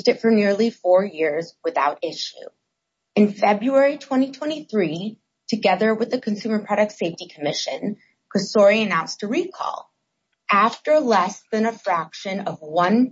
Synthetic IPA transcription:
d͡ʒtɨtfə˞nɪɹlˠifɔɹjɪɹzwɨθaʊɾɪʃʉ̰ | ɨ̃nfɛbɹuɛɹitʰw̥ɛ̃ɾ̃itʰw̥ɛ̃ɾ̃iθɹi | tʰɨɡɛðə˞wɨðɨkʰɨ̃n̩sʉmə˞pʰɹ̥ɑɾɨk̚tseɪftikʰəmɪʃɨ̃n | kʰɹ̥ɨsɔɹiɨnãʊ̃nstʰɨɹikʰɔ̰lˠ | ʔæftə˞əlɛsðɨ̃nɨfɹækʃɨ̃nʌvwʌ̃n

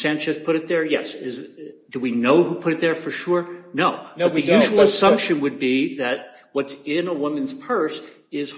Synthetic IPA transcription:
sæ̃nt͡ʃɨzpʰʊɾɨt̪̚ðə˞jɛsɪzd̥ɨwinoʊhupʰʊɾɨt̪̚ðə˞fə˞ʃʊɹnoʊʌt̪̚ðɨjʉʒwl̩ˠəsʌ̃mpʃɨ̃nwɨd̚biðɨt̚ | wʌtsɪ̃nəwʊmɨ̃nz̥pʰɜ˞s | ɪz̥

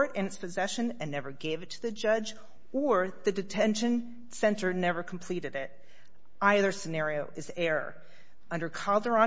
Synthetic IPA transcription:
ɹɾɨ̃nɨtspʰɨzɛʃɨ̃nɨ̃nːɛvə˞ɡeɪvɨtʰɨðɨd͡ʒʌd͡ʒ | ə˞ðɨdɨtʰɛ̃nʃɨ̃n | sɛ̃ntə˞nɛvə˞kʰm̩pʰl̥iɾɨɾɪt̚ | aɪðə˞sɨnɛɹioʊʔɨzɛɹə̰˞ | ʌ̃ndə˞kʰɑlˠdə˞ɑ̃

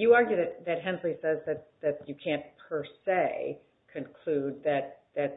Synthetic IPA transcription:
jɨɑɹɡjʉðɨt̪̚ðɨt̚ɦɛ̃nɹisɛzðɨt̪̚ðɨt͡ʃɨkʰæ̃npʰə˞seɪ | kʰɨ̃nkʰl̥ʉd̪̚ðɨt̪̚ðɨt̚

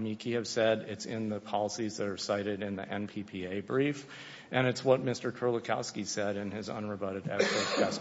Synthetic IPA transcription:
mikʰiɨv̥sɛɾɪtsɪ̃nðəpʰɑlˠəsizðɨɾə˞saɪɾɨɾɨ̃nðḭʔɛ̃npʰipʰieɪbɹif | ʔɨ̃ñɨtswʌt̚mɪstə˞tʰə˞lˠəkʰɑʊskisɛɾɨ̃nɪzʌ̰̃nɹɨbʌɾɨɾɛ̰kspə˞tɛs

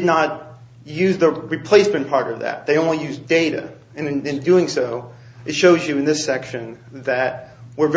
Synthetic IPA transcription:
dⁿnət̚ | jʉzðəɹipʰl̥eɪsmɨ̃npʰɑɹɾʌvðæ̰t̪̚ðeɪõʊ̃nlijʉzdeɪɾɨ̰ | ɨ̃nɨ̃ndʉɪ̃ŋsoʊ | ɨtʃoʊzjɨɨ̃nðɪsɛkʃɨ̃n | ðɨt̚wɪɹv

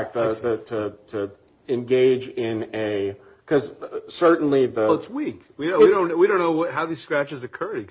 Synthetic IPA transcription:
k̚ðəðɨtʰɨtʰɨ | ɨ̃nɡeɪd͡ʒɪ̃nɨ | kʰʌzsɜ˞ʔn̩liðəətswik | wiiɾõʊ̃nwiɾõʊ̃nːoʊwʌt̚ɦaʊðiz̥skɹæt͡ʃɨzɨkʰɜ˞ɾi

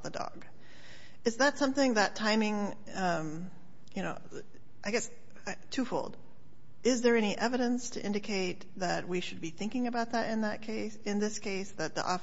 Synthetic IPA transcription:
ðədɔ̰ɡ̥ | ɨzðɨtsʌ̃mθɪ̃ŋðɨtʰãɪ̃mɪ̃ŋ | ʌ̃m | jɨñoʊ | ʔaɪɡɛs | tʰʉfoʊlˠd̥ | ɪzðə˞ɛniʔɛvɨɾɨ̃nstʰɨ̰ʔɪ̃ndɨkʰeɪt̪̚ðɨt̚wiʃɨd̚biθɪ̃ŋkɪ̃ŋɨbaʊt̪̚ðɨɾɨ̃nðɨt̚kʰeɪsɨ̃nðɪskʰeɪsðɨt̪̚ðḭʔɔ̰

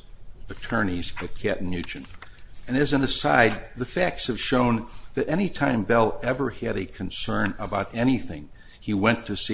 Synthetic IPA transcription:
ɨtʰɜ̃˞nizɨt̚kʰæʔn̩jʉt͡ʃɨ̃nɨ̃nɨzɨ̃nɨsaɪd̪̚ðɨfæk̚tshɨv̥ʃõʊ̃nðɨɾʔɛnitʰãɪ̃mbɛlˠɛvə˞ɨɾɨkʰɨ̃n̩sɜ̃˞nəbaʊɾɛñiθɪ̰̃ŋ | iwɛ̃ntʰɨsi

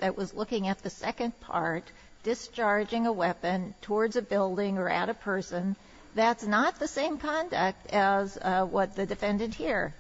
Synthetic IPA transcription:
ðɨʔ̚wʌzlʊkɪ̃ŋɨt̪̚ðɨsɛkɨ̃npʰɑ̰ɹt | d̥ɨst͡ʃɑɹd͡ʒɪ̃ŋəwɛpɨ̃ntʰɔɹdzɨbɪlˠdɪ̃ŋə˞ɨ̰ɾɨpʰɜ˞sɨ̃n | ðætsnət̪̚ðɨsẽɪ̃mkʰɑ̃ndɨk̚tɨzwʌt̪̚ðɨdɨfɛ̃ndɨ̃nʔ̚hiɹ

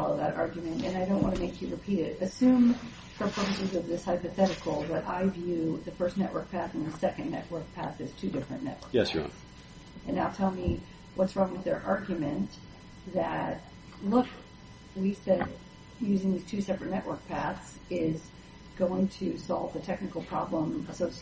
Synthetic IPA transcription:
ɔlˠʌvðəɾɑ̰ɹɡjɨmɨ̃ntɨ̰̃naɪɾõʊ̃nʔwɑ̃ntʰɨmeɪkʰjɨɹɨpʰiɾɪɾɨsʉ̃m | fə˞pʰɹ̥ɜ˞pɨsɨzʌvðɪshaɪpɨθɛɾɨkʰl̩ˠbʌɾʔa̰ɪvjʉðɨfɜ˞stⁿnɛʔwɜ̰˞k̚pʰæθn̩ðɨsɛkɨ̃nːɛ̰ʔwɜ˞k̚pʰæ̰θɨz̥tʰʉdɪfɹɨ̰̃nɛ̰ʔwɜ̰˞jɛss | ɨ̃naɪlˠtʰɛlˠmi | wʌtsɹʌ̃ŋŋwɨðə˞ʔɑɹɡjɨmɨ̃n | ðɨt̚ | lʊk | wiv̥sɛd̚ | jʉzɪ̃ŋðiz̥tʰʉsɛpɹɨtⁿnɛʔwʔə˞k̚pʰæθs | ɪz | ɡ̥oʊɪ̃ŋtʰɨsɑlˠvðɨtʰɛk̚nɨkl̩ˠpʰɹ̥ɑ̰blə̃məsoʊs

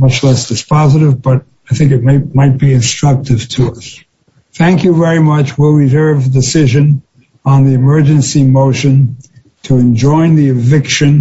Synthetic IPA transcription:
mʌt͡ʃlɛsd̥ɨspʰɑzɨɾɨvbʌɾ | aɪθɪ̃ŋkɨt̚maɪmaɪt̚b̥iɨ̃nstɹ̥ʌk̚tɨv̥tʰəʌs | θæ̃ŋkjɨvɛɹimʌt͡ʃwɪlˠwizɜ˞vdɨsɪʒɨ̃n | ə̃nðiɨmɜ˞d͡ʒɨ̃nsimoʊʃɨ̃n | tʰəɨ̃nd͡ʒɔ̃ɪ̃nðiɨvɪkʃɨ̃n

